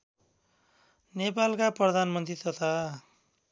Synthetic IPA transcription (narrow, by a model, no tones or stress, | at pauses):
nepalkaprʌd̪ʱanmʌnt̪rit̪ʌt̪ʰa